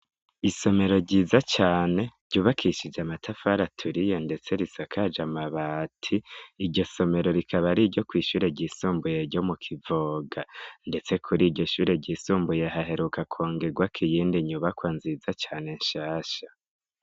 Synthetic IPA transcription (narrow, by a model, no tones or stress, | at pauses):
iso̞me̞ɾo̞ɾɟiːzat͡ʃaːne̞ɾɟ̥uːβakʰiʃid͡ʒamatʰafaɾatʰuɾijonde̞t͡se̞ɾisakʰad͡ʒamaβaːtʰiːɾɟo̞so̞me̞ɾo̞ɾikʰaβaɾiɾɟo̞kwiːʃuːɾe̞ɟiːsuːmbujeɾɟo̞mukʰivoːɡande̞t͡se̞kʰuɾiːɟo̞ʃuːɾe̞ɟiːsuːmbujeɦaɦe̞ɾukakʰoːŋɡe̞ɡwakʰijiːndiɲuβakwanzizat͡ʃaːne̞ɲʃaːʃa